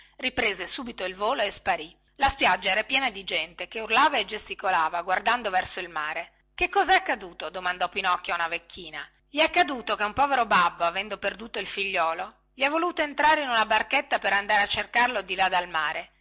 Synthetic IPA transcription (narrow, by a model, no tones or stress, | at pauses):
ripɾeːzesuːbit̪oilvoːloespaɾi | laspjad͡ʒːaɛːɾapjɛːnad̪id͡ʒɛnt̪ekeurlaːvaed͡ʒest̪ikolaːvaɡward̪and̪ovɛrsoilmaːɾe | kekːɔːzaɛakːad̪uːt̪od̪omand̪ɔpinɔkːjoaunavekʰːiːna | ʎiɛkːad̪uːt̪okeumpɔveɾobabːoavɛnd̪operd̪uːt̪oilfiʎːɔːlo | ʎiɛvːoluːt̪oent̪ɾaːɾeinunabarket̪ːapeɾand̪aːɾeat͡ʃːerkarlod̪ilad̪almaːɾe